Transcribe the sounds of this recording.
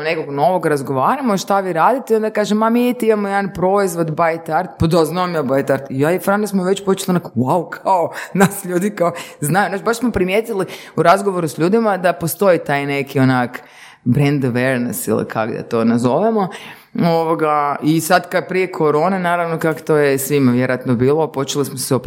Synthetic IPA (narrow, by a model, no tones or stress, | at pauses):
nekoɡno̞ʋoɡɾazɡo̞ʋaːɾamoʃt̪aʋiɾaːd̪it̪eio̞nd̪akaːʒemːamiit̪imamojed̪anpɾo̞izʋo̞d̪bajt̪aɾt̪pad̪aznaomjabajt̪aɾt̪ijaifɾanosmoʋe̞t͡ɕpot͡ʃe̥lionakwawkʰaonasʎuːd̪ikaoznajunaːt͡ʃbaʃsmopɾimjet̪ili | uɾazɡoʋo̞ɾusʎuːd̪imad̪apost̪o̞it̪ajne̞kʰionak | bɾend̪oʋeɾnḛsḭlḭkʰa̰ɡd̪a̰t̪o̞nazo̞ʋemo̞ | oʋoɡaisad̪kapɾije̞kʰo̞ɾo̞ːnenaːɾaʋnokako̥t̪ojesʋimaʋjeɾoat̪nobiːlˠopo̞t͡ʃelismoseop